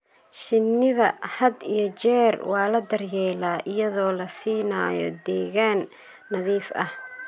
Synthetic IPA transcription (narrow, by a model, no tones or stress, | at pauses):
ʃɪnːɪðɐ̰hɐd̪ijɞt͡ʃɛːrwɑːlɐd̪ɐrjɛːlaːʔɪjɐðɔːlɐsiːna̰ːjɔ̰d̪ɛːɣaːnː | ɐðiːfɐh